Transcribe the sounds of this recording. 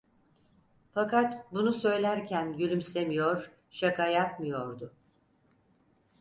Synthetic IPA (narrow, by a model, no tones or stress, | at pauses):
fakat̪bunusø̞jlʲæɾcʰænɟyɾymse̞mijoɾ̥ | ʃakʰajakmɯjoɾd̪ʊ